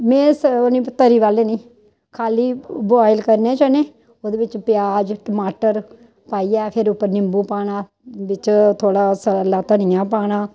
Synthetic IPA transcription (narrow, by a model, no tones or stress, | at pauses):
mɛ̃ːsʊnĩːpət̪ːəɾiːʋaːleːnĩː | kʰaːliːboːɪlkəɾnẽːt͡ʃənẽː | oːd̪eːʋɪt͡ʃpɪjaːd͡ʒʈəmaːʈəɾ | paːiːɛːpʰɪɾʊpːəɾnɪmbuːpaːɽ̃ãː | bɪt͡ʃt̪ʰoːɽaːsəlaːt̪əɳ̃ɪjãːpaːɽ̃aː